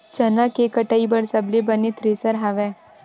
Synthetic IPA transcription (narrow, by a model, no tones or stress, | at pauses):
t͡ʃɐnakekɐʈaːibɐɽsɐblebɐnet̪ʰɾeːsəɾɦɐʋɛː